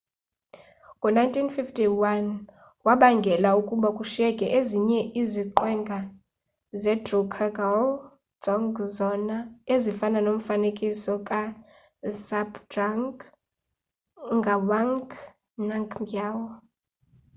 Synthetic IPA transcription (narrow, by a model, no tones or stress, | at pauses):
ŋʱʼɔnajntʼʰinfiftʰʼiwan | waɓaŋɡʱɛlaukʼuɓakʼuʃɛkʼɛʔeziɲɛʔiziǃwɛŋɡʱa | zɛdrukʰaɡa | d͡z̥ɔŋɡzɔnaezifananom̩fanekʼisɔkʼa | sabdaŋ | ŋɡʱawaŋk | naŋkʰŋɡjawɔ